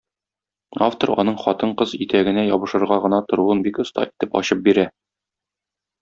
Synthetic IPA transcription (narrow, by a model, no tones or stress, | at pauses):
aft̪oɾɒ̰nɤɴχɒt̪ɤɴqɤzit̪æɡɘ̆næjɒbɤ̆ʃɤ̆ɾʁɑʁɤ̆nɑt̪ŏɾuɤnbikŏst̪ɑ̰ʔit̪ɘpɒ̰ɕɤp̚biɾæ